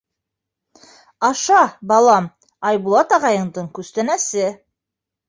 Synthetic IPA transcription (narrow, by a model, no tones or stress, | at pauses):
ɑʃɑbɑlˠɑm | ɑjbulˠɑt̪ɑʁɑjɤ̆ɴd̪ɤɴkʉst̪ænæsɘ